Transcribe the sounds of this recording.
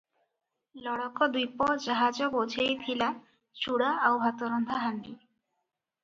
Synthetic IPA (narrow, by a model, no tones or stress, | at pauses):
lɔɽɔkɔd̪ujpɔd͡ʒaɦad͡ʒɔbod͡ʒʰʱejt̪ʰila | t͡ʃuɽaawɦat̪ɔɾɔnd̪ʱaɦanɖi